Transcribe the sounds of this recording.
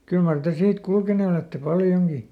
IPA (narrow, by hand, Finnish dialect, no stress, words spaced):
kyl mɑr te siːt kulkene oletːe pɑljoŋɡ̊i